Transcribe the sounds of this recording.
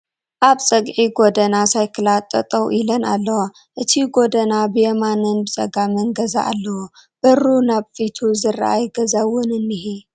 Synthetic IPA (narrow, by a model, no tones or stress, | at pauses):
ʔaβsʼɐɡʕiɡod̪ɐnasajkʰɨlat̪ʼːɐt̪ʼɐwʔilɐnalːɐwa | ʔɨt̪ʰiɡo̞d̪ɐnabɨjɛmanɨnbɨt͡sʼɐ̰ɡamɨnɡɐza̰ʔalːɐwub̥ɐɾunaβfit̪ʰuzɨra̰ʔa̰jɡɐzawʊnɨnːihi